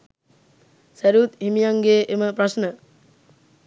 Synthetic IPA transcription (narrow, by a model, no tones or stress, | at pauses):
sæɾuːt̪himijaŋɡeːʔeməprasnə